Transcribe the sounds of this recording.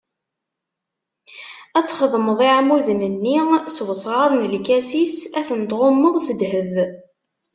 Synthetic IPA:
æt͡sːχəðˤməðˤiʕmuðənənːiswəsˤʁˤɑðˤnəlkæsisæθənd̪ʁomːəðˤsəd̪ɦəv

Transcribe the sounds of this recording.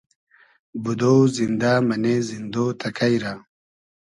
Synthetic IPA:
bud̪oːzind̪aːmɐnezind̪oːt̪ʰɐkajɾa

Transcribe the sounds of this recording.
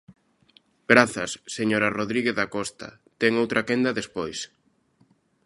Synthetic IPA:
ɡɾaθɐsːeɲoɾaroðɾiɣeððakɔst̪ɐ̰ | t̪ɛŋowt̪ɾʔakend̪ɐðespojs

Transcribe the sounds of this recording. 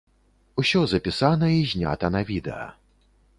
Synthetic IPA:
usʲɔzɐpʲisanɐizʲnʲa̰t̪ɐnavʲid̪ɛ̰ɐ̰

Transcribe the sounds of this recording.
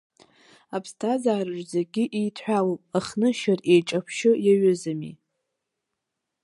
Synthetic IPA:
apʰstʰazaːrɨʒzeɡʲɪʔijtʰħʷᶣalopʼaχnɨʃarejʈ͡ʂʼapʰʃɪjaɥʊzamḭ

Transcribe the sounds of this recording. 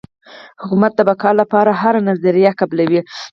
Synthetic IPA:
hʊkumat̪̚d̪əbakɑɾlapɑɾaɦaɾanazaɾijakablawi

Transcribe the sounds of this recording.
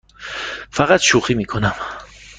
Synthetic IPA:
faʁat̪ʃuχimikʰonam

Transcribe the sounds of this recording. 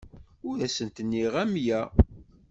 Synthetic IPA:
ʊɾæsənt̪ənːiʁæmjæ

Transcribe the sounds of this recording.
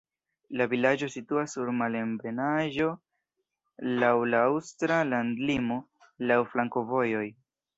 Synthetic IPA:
lavilad͡ʒo̞situasːuɾmale̞mbe̞naʒo̞ | lawlaawstɾalandlimo̞ | lawflaŋko̞vo̞jo̞j

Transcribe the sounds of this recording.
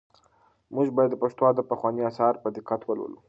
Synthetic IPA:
muʒbɑjad̪ːəpaʂt̪wɑd̪əpaxwɑniɑsɑɾpəd̪ɪqat̪wəlwṵlṵ

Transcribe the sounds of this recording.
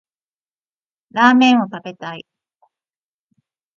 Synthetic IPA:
ɾaːmẽ̞ɰ̃o̞t̪abe̞t̪ai

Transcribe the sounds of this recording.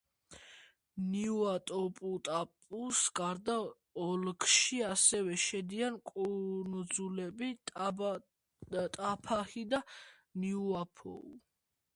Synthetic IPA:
niuat̪ʼɔpʼut̪ʼapʼusɡ̥aɾd̪a | ɔlkʰʼʃiasɛvɛʃɛd̪iankʼunud̪zulɛbitʼ | t̪ʼapʰahid̪a | niuapʰɔ̰ṵ

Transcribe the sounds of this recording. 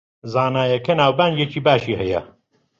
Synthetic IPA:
zaːnaːjɐkʰenaːwbaːnd͡ʒet͡ʃʰiːbaːʃiːɦɐjɐ̰

